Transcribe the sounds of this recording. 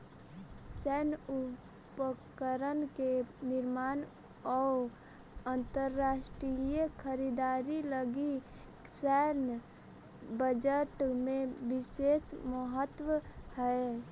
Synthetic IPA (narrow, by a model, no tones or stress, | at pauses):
sɛnu | pəkəɾənkenɪɾmaːn | ɔ | ənt̪əɾːaːsʈɾijəkʰəɾid̪aːɾiləɡi | sɛn | bəd͡ʒəʈmẽbɪsesməɦət̪wəhɛe